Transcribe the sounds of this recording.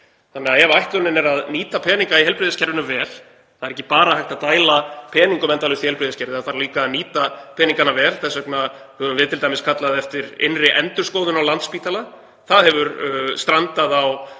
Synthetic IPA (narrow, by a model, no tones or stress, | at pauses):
θanːɛaɛvaajht̪lʏnɪnɛɾaðniːt̪apʰɛːniŋkaiɦɛlpɾɪðɪscɛɾðɪnʏvɛːl̥ | θaðɛɾɛhcːɪpaːɾahajht̪aðt̪aːjlapʰɛːniŋkʏmɛnt̪alʏst̪ihɛlpɾɪðɪscɛɾðɪaθaɾliːkaniːt̪apʰɛːniŋkanavɛːlθɛsœkna | hœvʏmvɪðt̪ʰɪlt̪ajmɪskʰat̪laðɛft̪ɪɾɪ̰nrɪʔɛnt̪ʏɾskoːwðʏnawlant̪spiːt̪ala | θaðhɛvʏɾst̪ɾant̪aðaw